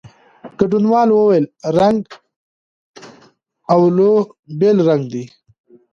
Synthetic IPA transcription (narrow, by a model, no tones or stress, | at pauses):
ɡ̥aʈunwɑlwəwajlɾaŋɡ | awlo | belɾaŋɡd̪i